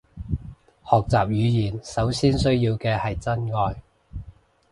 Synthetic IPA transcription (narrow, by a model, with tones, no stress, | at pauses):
hɔː˨k̚t͡saː˨p̚jyː˨˧jiː˨˩nsɐ˨˥wsiː˥nsɵ˥ɥjiː˧wkɛː˧hɐ˨jt͡sɐ˥nŋɔː˧j